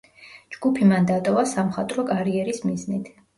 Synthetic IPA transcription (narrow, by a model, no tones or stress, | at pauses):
d͡ʒɡupʰimand̪at̪ʼɔvasamχat̪ʼɾɔkʼaɾiɛɾismiznit̪ʰ